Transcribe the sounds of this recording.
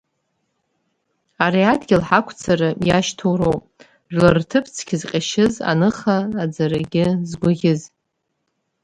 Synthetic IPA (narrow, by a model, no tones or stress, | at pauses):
aɾiadɡʲɪlħakʷʰt͡sʰaɾɨjaʃtʰowɾowpʼ | ʒʷᶣlartʰɨpʰt͡sʰkʲʰɪzqʲʼaʃɪza̰nɨχaːd͡zaɾaɡʲɪzɡʷʊʁʲɪz